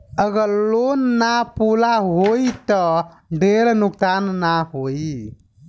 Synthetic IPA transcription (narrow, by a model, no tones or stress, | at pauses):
əɡəɾlonːapulaɦoit̪ə | ɖeɾnuksanːaɦoi